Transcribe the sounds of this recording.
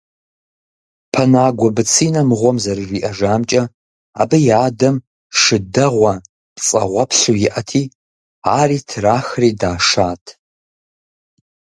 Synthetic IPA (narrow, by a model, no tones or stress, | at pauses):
pʰɐnaːɡʷɔbɨt͡sʰiːnɐmɨʁʷɔmzɐrɨʒiːʔɐʒaːmt͡ʃʼɐ | a̰ːbɨjaːdɐm | ʂɨdɐʁʷɐ | pt͡sʼɐ̰ʁʷɔpɬuːjɪʔɐtʰiː | aːriːtʰɨraːxriːdaːʂaːtʰ